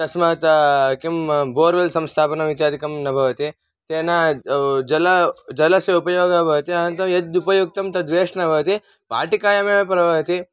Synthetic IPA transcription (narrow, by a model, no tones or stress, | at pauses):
t̪ɐsmɐt̪kimboːɾʋɐlsɐmst̪ʰaːpɐnɐʋit̪jaːd̪ʱikɐmnɐbʱɐʋɐt̪i | t̪eːnad͡ʒɐlɐd͡ʒɐlɐsjɐupɐjoːɡɐbʱɐʋɐt̪iɐnɐnt̪ɐmjɐd̪upɐjuk̚t̪ɐmt̪ɐd̪ʋeːʂnɐbʱɐʋɐt̪i | paːʈikaːjɐmeːʋepɾɐbʱɐʋɐt̪i